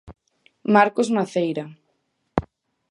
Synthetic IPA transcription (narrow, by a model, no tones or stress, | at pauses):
maɾkozmaθejɾa